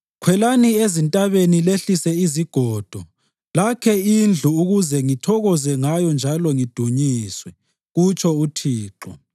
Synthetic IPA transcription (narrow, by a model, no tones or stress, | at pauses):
kʰwɛlaniezintʼaβenileɬisɛiziɡ̥ʱɔːd̥ʱɔ | lakʰɛind͡ɮʱuuɣuzɛŋitʰɔɣɔzɛŋajɔnd͡ʒʱalɔŋid̥ʱuɲiswɛ | ɣut͡ʃʰʼɔutʰiːǃɔ̰